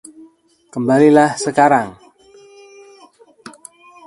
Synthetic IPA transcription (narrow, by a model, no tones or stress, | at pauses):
kəmbalilahsəkaɾaŋ